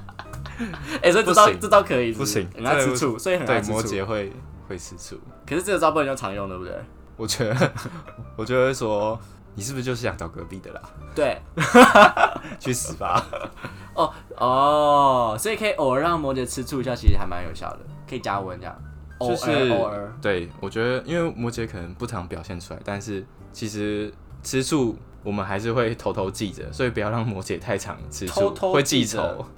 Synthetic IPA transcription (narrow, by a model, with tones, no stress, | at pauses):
e˥˩˨swɔ˧˥i˨˧˥t̪ʊ˦˧˥t̪ɑ˥˩ʊkʰɤ˧˦i˨˩˥u˥ɕi˨˦ŋə˨˩na˥t͡s̩ʰ˥t͡sʰu˥˩swɔ˧˥i˨hə˨˩ne˥˨˩mɔ˧˦t͡ɕjɛ˨˦xwe˥˧ɪ | xwe˥˩ɪt͡s̩ʰ˦t͡sʰṵ˥˩ | kʰə˨˩ʂ̩˥˧ʈ͡ʂɤ˥˩ɡə˩t͡spu˥˧˨jo˥˩ɑ˧˦ŋjo˥˨ŋ˧˥˩b̪wḛ˥˩ | wɔ˨˩t͡ɕɥɛ˧˦d̪ə | wɔ˨˩t͡ɕɥɛ˧˥d̪ə˧˩wswɔ˥ | ni˨˩ʂɻ̩˥˩bt͡ɕjo˥˧˥jɑ˨˦ŋt͡ɕɑ˥˨˩ʊkə̰˧˦pi˥˩d̪ə̰˩lɐ̰˩t̪we˥˩ɪ | t͡ɕʰy˥˩sɹ̩˨˩ba̰˧˦ | ɔ˥˩ | ʔɔ˥˧ | sɔ˧˥i˨˩kʰə˧˥i˨ʔo˨˩ʊə˞˧˥ɻɑ˥˩ŋmwɔ˧˥t͡ɕjɛ˨˩t͡sʰɻ̩˥t͡sʰu˥˧i˧˥ɕja˥˩t͡ɕʰi˧˥ʂɻ̩˧˩a˧˥ma̰˧˦njo˨˩ʊɕjɑ̰˥˩ʊd̪ə̰˩kʰə˧˥i˨˩t͡ɕja˥wə˧˦nt͡ɕjɑ̰˨˩ŋ | t͡ɕojʂɻ̩˥˨ə˧t̪we˥˩ɪwɔ˨˩t͡ɕɥɛ˧˦˥d̪ə˧˦ʔi˦˥nwe˥˩ɪmwɔ˧˥t͡ɕjɛ˧˥kʰɤ˨˩nə˧˦ŋpu˥˩ʈ͡ʂʰɑ˧˥ŋpjɑ˨˩ɕjɛ˥˩nʰu̥˥la̰˨˧˦ɪt̪a˥˧nʂɻ̩˥˩ | t͡ɕʰi˧˥ʂɻ̩˧˦ | ʈ͡ʂ̩ʰ˥t͡sʰu˥˩ | wɔ˨˩mə˦nxa˧˥ɪʂ̬ɻ̩˥˧xwe˥˩ɪt̪ʰo˧˥ʊt̪ʰo˧˥ʊt͡ɕi˥˩də̰˩swɔ˧˥i˨˩pu˩jɑ˥˧ʊɻɑ˥˩ŋmwɔ˧˥t͡ɕjɛ˨˦t̪ʰa˥˩ɪʈ͡ʂʰɑ̰˨˦ŋʈ͡ʂʰɻ̩ʰ˥u˥t̪ʰo˥we˥˧ɪt͡ɕi˥˩t͡sʰo̰˧˦ʊ